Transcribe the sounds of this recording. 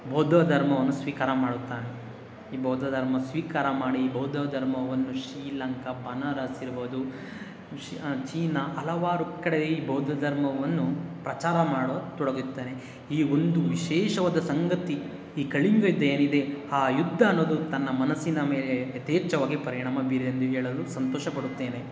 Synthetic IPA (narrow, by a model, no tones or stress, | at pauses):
bʱɐːd̪ʱɐd̪ʱɐɾmɐʋɐnːusʋiːkaːɾɐmaːɽut̪ːaːne | iːbʱɐːd̪ʱɐd̪ʱɐɾmɐsʋiːkaːɾɐmaːɽiːbʱɐːd̪ʱɐd̪ʱɐɾmɐʋɐnːuʃɾiːlɐŋkɐbɐnɐɾɐsiɾboːd̪u | t͡ʃiːnɐʔɐlɐʋaːɾukɐɽeeiːbʱɐːd̪ʱɐd̪ʱɐɾmɐʋɐnːupɾɐt͡ʃaːɾɐmaːɽoːt̪ɔɽɐɡit̪ːeːne̞ | iːond̪uʋiʃɛːʃɐʋaːd̪ɐsɐŋɡɐt̪i | iːkɐɭiŋɡɐjud̪ːɐjeːnid̪e̞aːjud̪ʱːɐːnːo̞ːd̪ut̪ɐnːɐmɐnɐsinɐme̞ːleɐt̪eːt͡ʃɐʋaːɡipɐɾiɳaːmɐbiɾiɐnd̪uɦeːɭɐlusɐnt̪ɔːʃɐbɐɽut̪ːe̞ːne̞